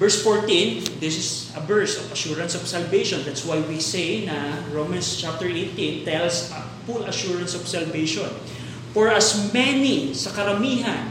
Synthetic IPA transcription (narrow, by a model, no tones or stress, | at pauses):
bɛɹsfoɹt̪ĩnd̪ɪsɪs | ɐbɛɹsɔvɐʃuɹɐ̃nsɔv̥sɐlvejʃɔ̃nd̪at̪swajwisejnɐɹomɐ̃nst͡ʃap̚t̪ɛɹʔejt̪ĩnt̪ɛlsɐ | fulɐʃuɹɐ̃nsɔv̥sɐlvejʃɔ̃n | fɔɹʔɐsmɛnisɐkɐɾɐmiːɦɐn